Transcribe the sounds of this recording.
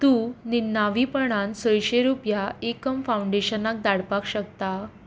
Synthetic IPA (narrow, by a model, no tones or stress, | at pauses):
t̪ũːninːaʋipəɳ̃ansəjɕeɾupjaekəmfauɳɖeɕənak̚d̪aɽpakɕək̚t̪a